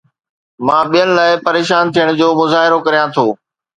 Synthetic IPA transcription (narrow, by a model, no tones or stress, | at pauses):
mãːɓijənɪ̆laːɪpɐɾeːʃaːnt̪ʰijəɽ̃d͡ʑoːmʊzaːɦɪɾokɐɾijãt̪ʰoː